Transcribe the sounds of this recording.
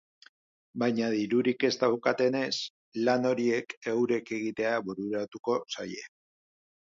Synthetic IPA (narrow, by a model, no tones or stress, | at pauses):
bajɲaðiɾuɾike̞zt̪awkat̪e̞ne̞s | lano̞ɾie̞ke̞wɾe̞ke̞ɣ̞it̪e̞aβuɾuɾat̪uko̞saje̞